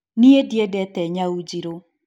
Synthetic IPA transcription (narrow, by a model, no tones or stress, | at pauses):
niedjɛdɛtɛɲaud͡ʒiɾo